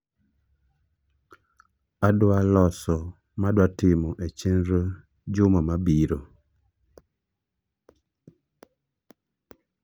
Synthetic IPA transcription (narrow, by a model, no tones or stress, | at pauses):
adwalɔsɔ | madwatɪmɔʔet͡ʃenɾə | d͡ʒʊmamabiɾo